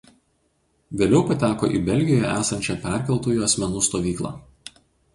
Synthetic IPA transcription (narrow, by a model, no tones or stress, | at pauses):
ʋʲeːlʲɛʊpɐt̪ʲæːko̰ːʔḭːbʲɛlʲɡʲɪjoːjɛ̰ʔæːsɐnʲt͡ʃʲɛpʲɛˑɾʲˑkʲɛlˠt̪uːjuːɐsʲmʲɛnuːst̪oːʋʲiːklˠɑ̰ː